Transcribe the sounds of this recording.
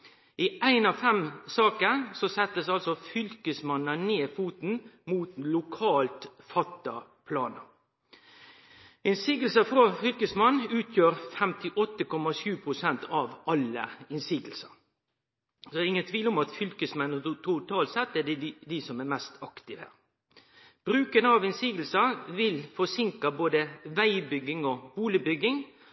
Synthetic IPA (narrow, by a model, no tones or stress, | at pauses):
ʔɪʔæɪnɑʋfɛmsɑːkəsɔsɛt̪ːəsɑlsɔfʏlkəsmɑnːəneːfuːt̪n̩muːt̪lʊkʰɑːlt̪fɑt̪ːɑ | pʰlɑːnə̰ | ɪnsiːɡəl̩səfɾɑfʏlkəsmɑnːʉːt̪ʰjøːɾfɛmt̪ʰɪʔɔt̪ːəkɔmːɑʃʉːpʰɾʊsɛnt̪ʰɑʋɑlːə̰ɪnsiːɡəl̩sɑ | sɔdɪŋːənt̪ʰʋiːlɔmɑt̪fʏlkəsmɛnt̪ʰɾuːt̪ʰɑːlsɛt̪ːɛd̪ɛd̪ɪsɔmæmɛst̪ʰɑkt̪ɪʋhæ̰ːɾ | b̥ɾʉːkənəɑʋɪnsiːɡl̩sɑʋɪlfɔsɪŋkɑboːd̪əʋæɪbʏɡɪŋɔbuːlɪbʏɡɪŋ